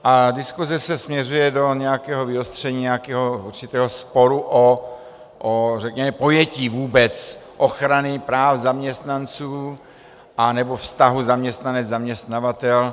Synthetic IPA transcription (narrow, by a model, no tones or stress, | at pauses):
ʔadɪskuzɛsɛsmɲɛrujɛdo̞ɲɛjakɛːɦovɪost̪r̝̥ɛɲiːɲɛakɛːɦouɾt͡ʃɪt̪ɛːɦospoɾuʔo | ʔorɛkɲɛmɛpo̞jɛciːvuːbɛt͡sʔoxɾanɪpɾaːfzamɲɛst̪nant͡suː | ʔanɛbofst̪aɦuzamɲɛst̪nanɛd͡zzamɲɛst̪navat̪ɛl